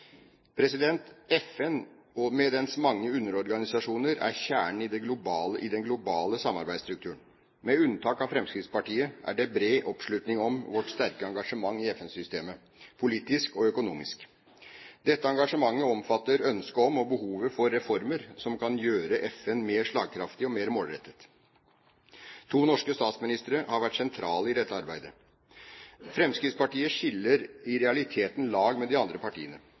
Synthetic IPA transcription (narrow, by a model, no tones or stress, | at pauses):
pʰɾɛsɪd̪ɛnt̪ɛfɛn | ɔmɛd̪ɛnsmɑŋːəʉnːəɾɔɾɡɑnɪsɑʂuːnəɾæ̰ɾçæːɳɪd̪ɛɡlʊbɑːləʔɪd̪ɛnɡlʊbɑːləsɑmːɑ̰ɾbæɪd̪st̪ɾʉkt̪ʰʉːəɳ | mɛʉnːt̪ʰɑːkɑʋfɾɛmskɾɪt̪spɑʈiːəʔæ̰ɖɛbɾeːʔɔpʂlʉːt̪nɪŋɔmʋɔʈst̪æɾkəɑŋɡɑʂəmɑŋːɪɛfɛnsʏst̪eːmə | pʰʊliːt̪ɪskɔœkʊnṵːmɪ̰sk | d̪ɛt̪ːəɑŋɡɑʂəmɑŋːəɔmfɑt̪ːəɾœnskəɔmɔbəhuːʋəfɔɾːɛfɔɾməɾsɔmkʰɑnjøːɾəʔɛfɛnmeːʂɭɑ̰ːɡ̚kʰɾɑft̪ɪɔmeːɾmoːlɾɛt̪ːət̪ | t̪ʰuːnɔʂkəst̪ɑːt̪smɪnɪst̪əɾəhɑɾʋæʈːsɛnt̪ʰɾɑːləɪd̪ɛt̪ːəɑɾbæɪd̪ə | fɾɛmskɾɪt̪spɑʈiːəʂɪlːəɾɪɾɛɑlɪt̪ʰeːt̪nlɑːɡmɛd̪ɪɑnd̪ɾəpɑʈḭːənə